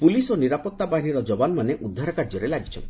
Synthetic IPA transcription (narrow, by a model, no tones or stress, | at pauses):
pulisoniɾapɔt̪ːabaɦiniɾɔd͡ʒɔbanɔmaneʔud̪ʱːaɾɔkaɾd͡ʒɔɾelaɡit͡ʃʰɔ̰nt̪